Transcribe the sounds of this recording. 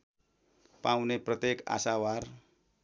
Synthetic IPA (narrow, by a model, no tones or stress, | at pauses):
pawneprʌt̪jeka̰sawar